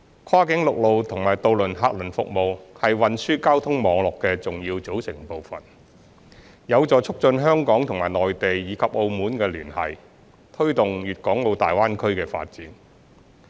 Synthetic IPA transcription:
kʰaː˥kɪ˨˥ŋlʊ˨k̚lo˨wt̪ʰʊ˨˩ŋmaː˨˩jt̪o˧wlɵ˨˩nɦaː˧k̚lɵ˨˩nfʊ̰˨k̚mo˨˧whɐ˨jwɐ˨nsyː˥kaː˥wt̪ʰʊ˥ŋmɔː˨˧ŋlɔː˨kːɛː˧t͡sʊ˨ŋjiː˧wt͡so˨˥wsɪ˨˩ŋpo˨wfɐ̰˨˩n | jɐ˨˧wt͡sɔː˨t͡sʰʊ˥k̚t͡ʃɵ˧nɦœː˥ŋkɔː˨˥ŋt̪ʰʊ˨˩ŋmaː˨˩jlɔː˨jt̪e˨jːiː˨˧kʰɐ˨p̚ʔo˧wmuː˨˥nkɛː˧lyː˨˩nhɐ̰˨j | t̪ʰɵ˥ɥt̪ʊ˨ŋjyː˨t̚kɔː˨˥ŋlo˨˧wt̪a̰ː˨jwaː˥nkʰɵ˥ɥkɛː˧fa̰ː˧t̚t͡siː˨˥n

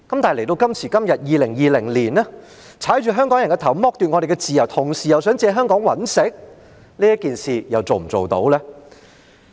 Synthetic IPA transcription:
kɐ˨˦mt̪aː˨jle˨˩jt̪o˧wkɐ˥mt͡sʰiː˨˩kɐ˥mjɐ˨t̚jiː˨˧lɪ˨˩ŋjiː˨lɪ˨˩ŋliː˨˩nɛː˥ | t͡sʰaː˨˥jt͡ʃyː˨ɦœː˥ŋkɔː˨˥ŋjɐ˨nkɛ˧t̪ʰɐ˨˩wmɔː˧˥k̚t̪y˨ŋɔː˨˧ɾe˨jkɛ˧t͡siː˨jɐ˨˩wt̪ʰʊ˨˩ŋsiː˨jɐ˨wsœː˨˥ŋt͡sɛː˧ɦœː˥ŋkɔː˨˥ŋwɐ˨˥nsɪ˨˥k̚ | leː˥jɐ˥t̚kiː˨nsiː˨˩jɐ˨wt͡so˨wm̩˨˩t͡so˨wt̪o̰˨˥wlɛː˥

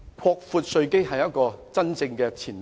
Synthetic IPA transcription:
kʰɔː˧k̚fuː˧t̚sɵ˧ɥke˥jɦɐ˨jɐ˥t̚kɔː˧t͡sɐ˥nt͡sɪ˧ŋkɛ˧t͡sʰiː˨˩n

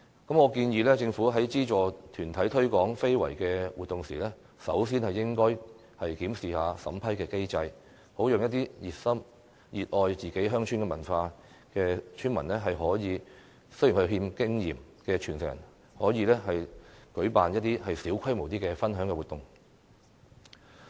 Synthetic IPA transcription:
kɐ˨˥mŋɔː˨˧kiː˧njiː˧lɛː˥t͡sɪ˧ŋfu˨˥ɦɐ˨˥jt͡siː˥t͡ʃɔː˨˩t̪ʰyː˨˩nt̪ʰɐ˨˥jt̪ʰɵ˥ɥkɔː˨˥ŋfe˥jwɐ̰˨˩jkɛː˧wuː˨t̪̚ʊ˨ŋsiː˨˩lɛː˥ | sɐ˨˥wsiː˥nhɐ˨jːɪ˥ŋkɔː˥j | hɐ˨jkiː˨˥msiː˨haː˨˧sɐ̰˨˥mpʰɐ˥jkɛː˧ke˥jt͡sɐ˧j | ho˨˥wjʊ˨ŋjɐ˥t̪̚iː˥jiː˨t̚sɐ˥m | jiː˨t̚ʔɔː˧jt͡siː˨ke˨˥jɦœː˥ŋt͡ʃʰy˥nkɛː˧mɐ˨˩nfaː˧ | kɛː˧t͡ʃʰyː˥nmɐ˨˩nlɛː˥ɦɐ˨jɦɔː˨˥jiː˨˧ | sɵ˥ji˨˩nhʰɵ˧ɦiː˧mkɪ˥ŋjiː˨˩m | kɛː˧t͡ʃʰyː˨˩nsɛ˨k̚jɐ̰˨˩n | hɔː˨˥jiː˨˧lɛː˥ɦɐ˨jkɵ˨˥ɥpaː˨njɐ˥t̚t̪iː˥hɐ˨jsiː˨˥wkʰɐ˥jmo˨˩wt̪̬iː˥kɛː˧fɐ˥nɦœː˨˥ŋkɛː˧wuː˨t̪ːʊ˨ŋ

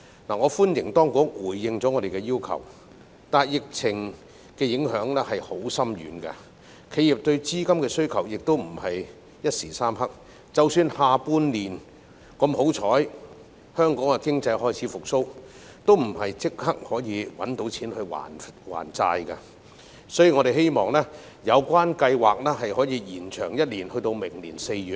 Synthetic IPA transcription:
naː˨˩ŋɔː˨˧fuː˥njɪ˨˩ŋt̪ɔː˥ŋkʊ˨˥ŋ̚wuː˨˩jːɪ˨ŋt͡sɔ˨˥ŋɔː˨˧ɾe˨jkɛ˧jiː˥wkʰɐ̰˨˩w | t̪aː˨jjɪ˨k̚t͡sʰɪ˨˩ŋ | kɛː˧jɪ˨˥ŋɦœː˨˥ŋlɛː˥hɐ˨jho˨˥wsɐ˥mjy̰ː˨˧nkɐ̰˧ | kʰe˨˧ji˨˩p̚t̪ɵ˧ɥt͡siː˥kɐ˥mkɛː˧sɵ˥ɥkʰɐ˨˩wjɪ˨k̚t̪o˥wm̩˨˩hɐ˨j | jɐ˥t̚siː˨˩saː˥mhɐ˥k̚ | t͡sɐ˨wsyː˧nhaː˨˧puː˧nliː˨n | kɐ˧mho˨˥wt͡ʃʰɔː˨˥j | hœː˥ŋkɔː˨˥ŋkɐ˧kɪ˥ŋt͡sɐ˧jhɔː˥jt͡sʰiː˨˥fʊ˨k̚so˥w | t̪o˥wm̩˨˩hɐ˨jt͡sɪ˥k̚hɐ˥k̚hɔː˨˥jiː˨˧wɐ̰˨˥nt̪o˨˥wt͡sʰiː˨˥nhɵ˧ɥwa̰ː˨˩nwa̰ː˨˩nt͡sa̰ː˧jkɐ˧ | sɔː˨˥jiː˨˩ŋɔ˨˧ɾe˨jhe˥jmɔː˨˩ŋlɛː˥ | jɐ˨˧wkʷaː˥nkɐ˧jwaː˨k̚lɛː˥ɦɐ˨jhɔː˨˥jiː˨˧jiː˨˩nt͡ʃʰœː˨˩ŋjɐ˥t̚liː˨˩nhɵ˧t̪o˧wmɪ˨˩ŋliː˨˩nse˧jɥyː˨˧

